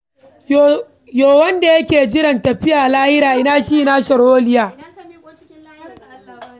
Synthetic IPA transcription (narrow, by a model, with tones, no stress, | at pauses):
joː˨wɐ˦nda˨jɐ˦kʲeː˨d͡ʒɪ˦ɾɐ˨ntɐ˨ɸɪ˦jaː˨laː˦hɪ˦ɾaː˨ʔɪ˦naː˦˨ʃi˦na˦sɐ˨ɾoː˦lɪ˦jaː˨˦